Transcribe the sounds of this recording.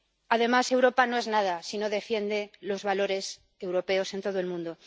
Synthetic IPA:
að̞e̞mase̞wɾopano̞e̞znaðasino̞ðe̞fje̞nd̪e̞lo̞zβalo̞ɾe̞s | e̞wɾo̞pe̞o̞se̞nt̪o̞ð̞oe̞lmũnd̪o̞

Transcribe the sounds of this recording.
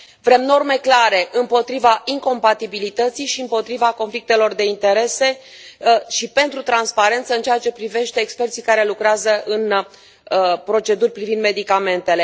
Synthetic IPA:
vɾe̞mno̞rme̞klaɾe̞ʔɨmpo̞t̪ɾivaiŋko̞mpat̪ibilit̪ət̪sijʃiɨmpo̞t̪ɾivako̞nflik̚t̪e̞lo̞rd̪e̞int̪e̞ɾe̞se̞ | ʃipe̞nt̪ɾut̪ɾanspaɾe̞nt̪səɨnt͡ʃeat͡ʃe̞pɾive̞ʃt̪e̞ːkspe̞rt̪sikaɾe̞lukɾeazəʔɨn | pɾo̞t͡ʃe̞d̪urʲpɾivind̪me̞d̪ikame̞nt̪e̞le̞

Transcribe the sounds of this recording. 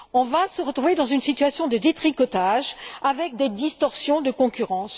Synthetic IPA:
ɔ̃vasəʁət̪χuved̪ɑ̃zynsit̪yasjɔ̃d̪əd̪et̪χikɔt̪aʒavɛk̚d̪ed̪ist̪ɔʁsjɔ̃d̪əkɔ̃kʲyʁɑ̃s

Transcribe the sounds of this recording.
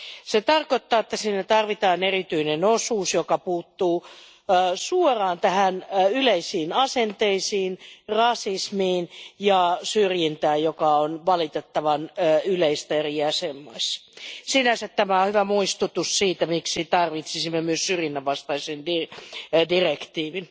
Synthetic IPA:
set̪ɑrkot̪ːɑːet̪ːæsiːnːæt̪ɑrʋit̪ɑːnerit̪yinenosuːsjokɑpuːt̪ːuː | suorɑːnt̪æhænyleisiːnɑsent̪eisiːnrɑsismiːnjɑsyrjint̪æːjjokɑonʋɑlit̪et̪ːɑʋɑnːyleist̪æeriæsemːoisːɑ̥sinæsæt̪tæmæohyʋæmuist̪ut̪ussiːt̪æmiksit̪ɑrʋit̪sisimːemyøssyrjinːæʋʋɑst̪ɑisindidirekt̪iːʋin

